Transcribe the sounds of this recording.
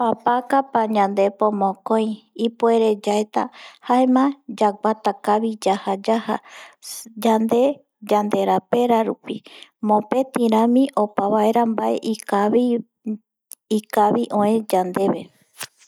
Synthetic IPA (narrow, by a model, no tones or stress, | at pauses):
papakapaɲãnd̪e̞põmõkõj̃ipoe̞ɾe̞d͡ʒaet̪a̰haemãd͡ʒaɡat̪akaβid͡ʒahad͡ʒaha | d͡ʒand̪e̞ | d͡ʒand̪e̞ɾape̞ɾaɾupimõ̞pe̞t̪iɾãmĩʔo̞paβae̞ɾambaʔe̞̰ʔiai | ikaβiʔõẽd͡ʒand̪e̞βe